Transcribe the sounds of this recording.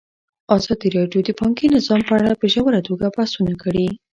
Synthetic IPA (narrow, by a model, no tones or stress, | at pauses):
ɑzɑd̪iɾɑɖjod̪əpɑŋkinɪzɑmpəaɽapeʒawəɾat̪ʰoɡabasunakəɽi